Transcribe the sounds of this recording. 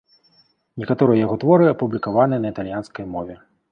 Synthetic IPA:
nʲɛkat̪ɔɾɨjɐjaɣɔt̪vɔɾɨɐpublʲikavanɨjɛnɐit̪alʲjanskɐjmɔvʲɛ

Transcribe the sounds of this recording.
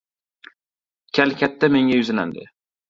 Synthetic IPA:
kʲʰalkʲʰat̪ːame̞ŋʲajʊzɪna̰nd̪ɪ̰

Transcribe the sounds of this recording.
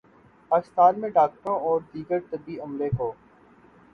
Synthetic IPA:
paːkɪst̪aːnmẽɖaːk̚ʈəɾõɔːɾd̪iːɡəɾt̪əb̪iəmlekoː

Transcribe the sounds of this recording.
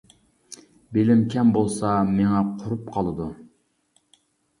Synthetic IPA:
belɪmkʲʰɛmbolˠsɑmeŋɛqʰʊɾupqʰɑlˠɨd̪u

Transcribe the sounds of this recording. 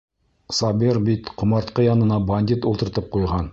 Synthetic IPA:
sɑbeɾbit̪qʰʊmɑɾt̪qəjɑnənɑbanʲd̪ʲit̪wolt̪əɾt̪əp̚qʰojʁɑn

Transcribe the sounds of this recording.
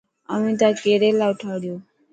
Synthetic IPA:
əmĩːt̪akeːɾeːlaːʊʈʰaːɽjoː

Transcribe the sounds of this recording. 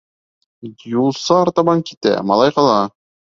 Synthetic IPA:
julˠsɤːɾt̪ɑβɑŋkit̪æ̰mɑ̰lˠɑjqɑlˠɑ

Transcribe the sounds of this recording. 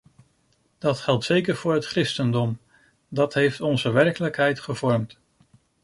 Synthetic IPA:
d̥ɑtχɛlˠtsejkəɹv̥ʊːɹɦətkrɪstəndɔm | dɑtɦejftɔnzəʋɛɹkələkɦɛjtχəvɔɹmt

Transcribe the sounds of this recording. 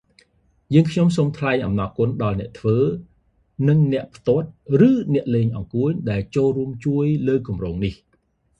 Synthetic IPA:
jəːŋkʰɲomsoːmt̪ʰlaɛŋʔɑ̰mnɑkŭənɗɑlnɛ̆əʔt̪ʰʋəː | nɨŋnɛ̆əʔpʰt̪ŏət̪̚rɨːnɛ̆əʔleːɲʔɑŋkuəɲɗaɛlt͡ɕoːlruəmt͡ɕuəjləːkumroːŋnih

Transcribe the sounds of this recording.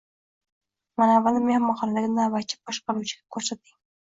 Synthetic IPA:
manavalnɪmehamːɑχɒnalɪɡʲɪnabat̪̚t͡ʃʰɪ̥bɒʃqɑɾuwt͡ʃʰɪɡ̥ʲakʰɵɾsat̪̚ːɪŋ

